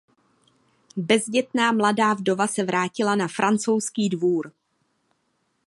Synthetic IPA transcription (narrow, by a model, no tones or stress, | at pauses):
bɛzɟɛt̪naːmladaːvdo̞vasɛvɾaːcɪlanafɾʔant͡so̞wskiːdvuːɾ